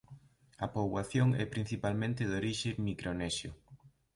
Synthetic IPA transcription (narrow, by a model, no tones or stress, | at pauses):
ɐpoβwaθjoŋɛ̰pɾin̟θipalmẽnt̪ɪðoɾiʃemikɾʔonɛsjʊ̰